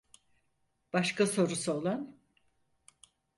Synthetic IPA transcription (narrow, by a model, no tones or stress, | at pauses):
b̥aʃkaso̞ɾusuolˠan